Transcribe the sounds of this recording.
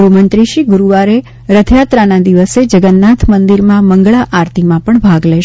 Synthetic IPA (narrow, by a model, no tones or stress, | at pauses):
ɾumənt̪ɾiʃiɡuɾuʋaɾe | ɾəd̪ʰʱjat̪ɾanad̪iʋəsed͡ʒəɡənːat̪ʰmənd̪iɾmãməŋɡɭaʔaɾt̪ʰimãpəɳbʱaɡlɛʃ